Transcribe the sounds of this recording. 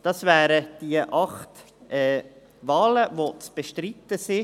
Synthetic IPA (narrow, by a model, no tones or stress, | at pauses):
d̥ɑsvæːɾəd̥iəʔɑχt | ɛː | vɑːləvot͡sb̥eʃtɾit̪ːəsi